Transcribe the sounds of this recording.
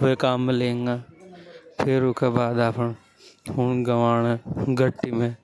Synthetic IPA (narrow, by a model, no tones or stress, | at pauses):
ekaːmːẽlẽːŋɡaː | pʰɪɾʊkʰebaːd̪aːpʰən | ɦʊnɡɐʋaːneɡʱɐʈːimẽ